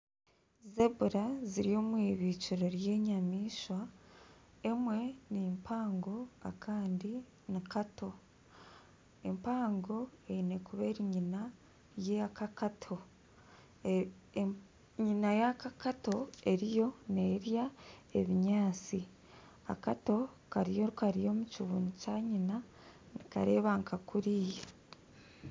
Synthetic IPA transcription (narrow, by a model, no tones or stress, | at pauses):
zebuɾaziɾio̞ːmwiːβiːt͡ʃiɾo̞ɾje̞ːɲamiːʃwa | e̞mwe̞nimpʰaːŋɡo̞a̰kʰaːndi | nikatʰo̞ | empaːŋɡo̞eine̞kuβe̞ɾiɲina | jeakakatʰo̞ | ɲinajakakato̞e̞ɾijo̞neːɾjae̞βiɲaːt͡si | a̰kato̞ | kaɾijokaɾijo̞ːmuciβunucaːɲina | nika̰ɾe̞ːβaŋkʰakuɾiːje